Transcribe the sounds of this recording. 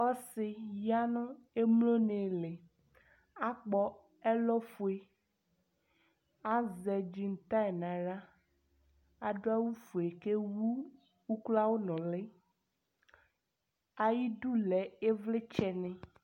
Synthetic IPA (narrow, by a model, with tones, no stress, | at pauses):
ɔ˦sɪ˨ja˦nɔ̃˦e˦mlo˦ne˨le˨ | a˦k͡pɔ˦ | ɛ˦lɔ˦fu˨e˨ | a˦zɛ˨d͡ʑi˦ŋ̩˦t̪ã˦ɛ˨nã˨ɖa˦ | a˨ɖo˦a˦wu˦fu˨e˨ke˦wu˦ | wu˦kla˦wo˦nɔ̃˨le˦ | a˨ji˦du˦lɛ˨e˦vle˦t͡ʃɛ˨nɛ̃˨